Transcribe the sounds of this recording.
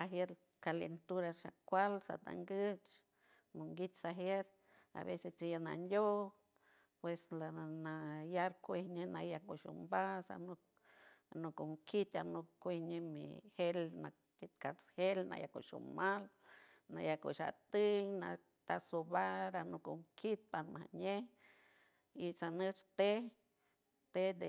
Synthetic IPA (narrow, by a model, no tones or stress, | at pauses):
aɦeɾ | kalent̪uɾaʃakʷalsa̰t̪a̰ŋɡət͡ʃ | muŋɡit̪saɦeɾ | a̰βesest͡ʃijana̰nd̪ʲo | pweslanajaɾkʷehɲenajakuʃṵmbasa̰no | anukuŋkʰit̪anokkʷehɲemḭhelnak̚t̪ʲit̪̚kat͡shelna̰ja̰kṵʃṵmal | najakṵʃa̰t̪ɨjna̰ | t̪asobaɾanukumkʰit̪̚paɾma̰hɲe | isanət͡ʃt̪e | t̪ed̪e